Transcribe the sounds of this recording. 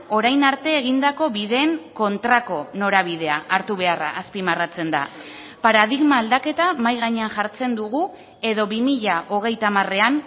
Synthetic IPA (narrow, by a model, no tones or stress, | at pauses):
o̞ɾajnaɾt̪e̞ːɣ̞ind̪ako̞βiðe̞ːŋko̞nt̪ɾako̞no̞ɾaβ̞ið̞e̞aʔaɾt̪uβe̞ara̰ːspimarat͡se̞nd̪a̰ | paɾað̞iɣmaːld̪ake̞t̪amajɣaɲe̞anʝaɾt͡se̞nd̪uɣu | e̞ðo̞βimiʎaʔo̞ɣ̞e̞jt̪amare̞an